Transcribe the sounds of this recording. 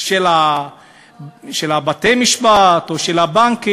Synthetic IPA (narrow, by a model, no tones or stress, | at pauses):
ʃela | ʃelabatejmiʃbat̪oʃelhabaŋki